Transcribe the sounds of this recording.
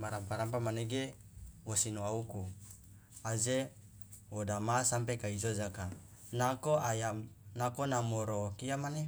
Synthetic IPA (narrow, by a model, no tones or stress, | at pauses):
maɾampaɾampamaneɡewosinuauku | aze | wodamasampekaizod͡ʒaka | nakoajanakonamoɾokiamane